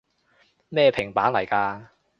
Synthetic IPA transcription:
mɛː˥˧pʰɪ˨˩ŋpaː˨˥nlɐ˨˩jkaː˧

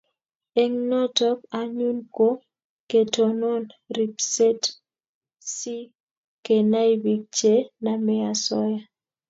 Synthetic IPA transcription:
e˦ŋnɔ˦tɔ˦k̚a˨ɲu˦nko˦ | ke˨tɔ˨no˦nri˨pse˦t | si˦ | ke˨na˦jbi˨k̚t͡ʃe˦na˨mɛ˦a˨sɔ˦ja˦

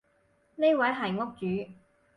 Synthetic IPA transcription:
ne˥jwɐ˨˥jɦɐ˨˩jŋʊ˥k̚t͡ʃyː˨˥

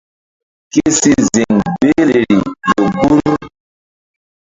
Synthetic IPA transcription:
ki˦si˦zi˨ŋbe˦le˨ɾi˨lo˨bo˦lu˦

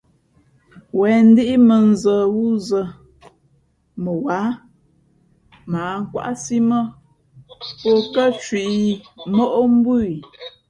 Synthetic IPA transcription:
wɛ˨n̩˦di˦ʔi˦mə˨n˨zə˨wu˦zə˨ | mə˨wa˨˦ | maː˨˦ŋ̩˦kwa̰˦ʔsi˦mə˦ | po˦kə˦t͡ʃwi˨ʔi˨mo˦ʔo˦m̩˦bu˦˨i˨

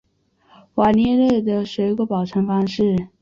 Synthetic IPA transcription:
wa˨˩njɛ˥˧le˥˩ɪd̪ə˩ʂe˧˥ɪɡə˧˥pɑ˨˩ʊʈ͡ʂʰɤ˧˥ŋfɑ˥ŋʂɻ̩˥˩

